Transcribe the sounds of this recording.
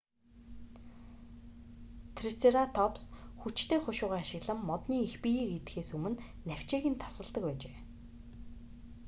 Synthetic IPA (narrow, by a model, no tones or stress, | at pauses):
t̪ʰrit͡seɾat̪ʰɔpsxut͡ɕt̪ʰeːχʊʃʊːʁaːaʃɪ̆ɣɮə̆mːɔt̪niːixpijiːket̪xeːsumɘ̆nːæw̥ʲt͡ɕeːɣĭːnt̪ʰḁsə̆ɮt̪ə̆kpæːt͡ɕeː